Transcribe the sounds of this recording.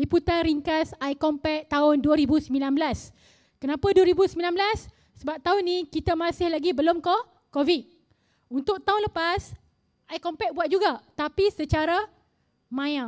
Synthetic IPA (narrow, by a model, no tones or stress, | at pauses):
liput̪anɾiŋkasajkɔmpɛk̚t̪aʊnduaɾibusəmilanblas | kənãpaduaɾibusəmilanblasː | əbap̚t̪aʊnːikit̪amãsɪhlaɡibəlomkɔ | kovit̪̚ | unt̪ʊk̚t̪aʊnləpas | ʔaikɔmpɛk̚buat̪̚d͡ʒuɡat̪apisət͡ʃaɾa | mãja